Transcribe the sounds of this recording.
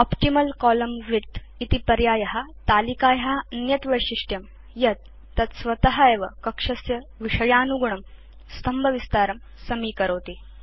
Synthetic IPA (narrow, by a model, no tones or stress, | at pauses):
ɔpʈimɐlkɔːlɐmʋit̪ | it̪ipɐɾjaːjɐɦat̪aːlikaːjɐɦaɐnjɐt̪ʋɐjʂiʂʈjɐm | jɐt̪̚ː | ɐt̪sʋɐt̪ɐɦɐeːʋɐkɐkʂɐsjɐʋiʂɐjaːnuɡɳɐm | st̪ʰɐmbʱɐʋist̪aːɾɐm | sɐmiːkɐɾoːt̪i